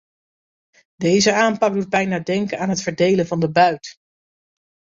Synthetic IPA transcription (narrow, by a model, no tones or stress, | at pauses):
dejzəaːmpɑɡ̚dud̚bɛjnaːdɛŋkənaːnɦətfəɹdejlənvɑndəbœɥt